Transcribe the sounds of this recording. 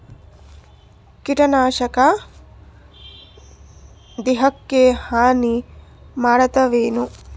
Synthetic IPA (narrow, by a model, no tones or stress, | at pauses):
kiʈɐnaːʃɐka | d̪eɦɐkːehaːni | maːɽɐt̪ɐʋeːnu